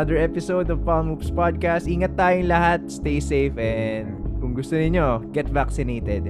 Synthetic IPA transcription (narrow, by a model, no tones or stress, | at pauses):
ɐd̪əɹɛpɪsowd̪ɔvpalmupspad̪̚kast̪ʔiːŋɐt̪ːaːjʊŋlɐɦat̪̚st̪ejsejfɛnd̪̚kʊŋɡʊst̪onɪɲo̞ɡ̥ɛt̪vaksɪnejt̪ɛd̪̚